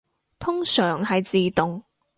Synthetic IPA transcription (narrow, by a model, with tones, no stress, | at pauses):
t̪ʰʊ˥ŋsœː˨˩ŋɦɐ˨jt͡siː˨t̪ʊ˨ŋ